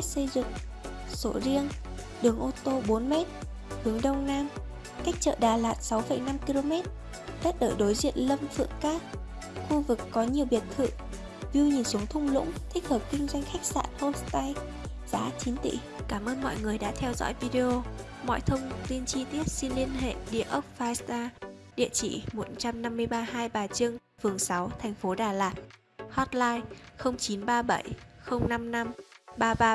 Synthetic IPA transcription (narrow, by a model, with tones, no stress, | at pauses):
k̚sə˧jzɨ̰˧˨ŋ | so˧˩zi˧ən | ɗɨ˨˦əŋʔo˧t̪o˧ɓo˨˦nmɛ˦˥t̚ | ɗɨ˨˦əŋɗə˧wŋ͡mnaː˧m | ka˦˥jk̚t͡ɕə̰ː˧˨ɗaː˨˩laː˨˩t̚sa˨˦wfə˨˩jna˧mki˧lo˧mɛ˦˥t̚ | t̪ə˦˥t̚ɗəː˧˩ɗo˨˦jzḭ˧˨ənlə˧mfɨ̰˧˨əŋkaː˧˥ | xu˧vɨ˨˩kːɔ˨˦ɲi˨˩əwɓi˨˩ət̚t̪ʰɨ̰˧˨ | zu˧ɲi˨˩nsu˨˦əŋt̪ʰʊ˧ŋ͡mlʊ̰˧˥ŋ͡mt̪ʰï˦˥k̟̚həː˨˩p̚kï˧ŋ̟zwa˧jŋ̟xa˦˥jk̚sa̰ː˧˨nho˧st̪a˧j | zaː˨˦t͡ɕi˨˦nt̪ḭ˧˨ | kaː˧˩mʔəː˧nmɔ̰˧˨jŋɨ˨˩əjɗa̰ː˧˥t̪ʰɛ˧wzɔ̰˧˥jvi˧ɗe˧ʔo˧ | mɔ̰˧˨jt̪ʰə˧wŋ͡mt̪i˧nt͡ɕi˧t̪i˦˥ət̚si˧nli˧ənɦḛ˧˨ɗi˧˨əʔə˦˥p̚faː˧jst̪aː˧ɗḭ˧˨ət͡ɕḭ˧˨mo˨˩t̚t͡ɕa˧mna˧mːɨ˧əjɓaː˧ɦaː˧jɓaː˨˩t͡ɕɨ˧əŋ | fɨ˨˩əŋsa˨˦wt̪ʰɛ˨˩jŋ̟fo˨˦ɗaː˨˩laː˨˩t̚ | hɔ˦˥t̚laː˧jxə˧wŋ͡mt͡ɕi˨˦nɓaː˧ɓə˧˩jxə˧wŋ͡mna˧mna˧mɓaː˧ɓaː˧